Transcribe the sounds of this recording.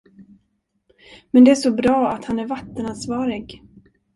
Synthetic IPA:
mɛnd̪ɛæʂɔbɾɑːat̪hanæɾvat̪ːənansvɑːɾɪɡ

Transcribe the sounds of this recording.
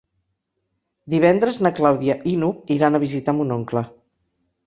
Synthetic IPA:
d̪iβ̞ɛnd̪ɾəznəklawðiəʔinukiɾanəβ̞izit̪ambunoŋklə

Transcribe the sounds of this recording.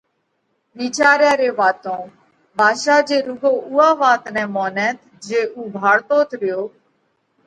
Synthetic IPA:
ʋiːt͡ʃaːɾjaːɾeːʋaːt̪õː | bʱaːʃaːd͡ʒeːɾʊɡoːʊːaːʋaːt̪nɛ̃ːmoːnɛːt̪ | d͡ʒeːʔuːbʱaːɽt̪oːt̪ʰɾɪjoː

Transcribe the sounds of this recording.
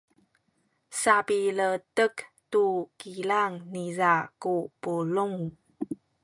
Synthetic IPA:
sapilətək | tukilaŋnizakupuluŋ

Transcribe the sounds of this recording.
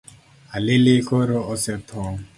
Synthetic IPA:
alelekoɾoɔsɛtʰɔ

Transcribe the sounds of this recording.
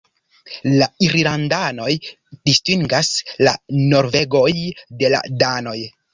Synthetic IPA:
laiɾlandano̞j | d̥istiŋɡaslano̞ɾve̞ɡo̞jde̞la̰dano̞j

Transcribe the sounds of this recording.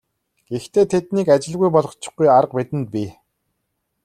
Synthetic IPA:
ɡ̥ext̪ʰeːt̪ʰet̪niːkat͡ɕɪ̆ɮɣujpɔɮʁ̆ɞ̆t͡ɕɪ̥̆χɡujaɾə̆qpet̪ɘ̆nt̪̚pʲi

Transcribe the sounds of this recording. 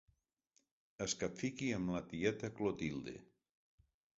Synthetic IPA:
əskapfikiəmlat̪iɛt̪aklot̪ilˠd̪ḛ

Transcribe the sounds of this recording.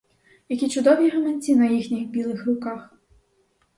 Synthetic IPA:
jɐkʲit͡ʃʊd̪ɔʋʲiɦɐmenʲt͡sʲinɐjixnʲixbʲilˠɪxrʊkɑx

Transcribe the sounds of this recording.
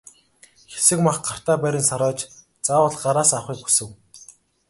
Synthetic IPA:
xe̥sɘ̆kmaχɢar̥t̪aːpæɾʲɪ̆nsaɾɔːt͡ɕ | t͡saːwə̆ɮɢaɾaːsawχiːk̚xu̥sɘ̆w

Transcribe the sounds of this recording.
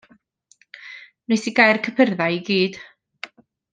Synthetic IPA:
nejsiɡajrkʰəpʰərðajiɡiːd̥

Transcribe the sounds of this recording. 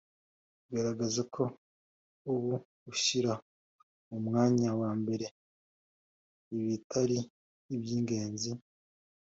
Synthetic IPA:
ɡaɾaɡazakʰo̞ | uβu | uʃiɾa | umŋaːɲawaːmbe̞ɾe̞ | iβitʰaɾiː | bjiːŋɡe̞ːnzi

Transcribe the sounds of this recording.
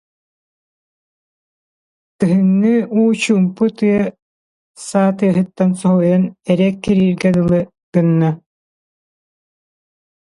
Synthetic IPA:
t̪ɯɦɯnːɯuːt͡ɕumput̪ɯɐ | saːt̪ɯɐɦɯt̪ːansɔɦɔjanɛɾɛkːiɾiːɾɡɛd̪ɯlˠɯ | kɯnːa

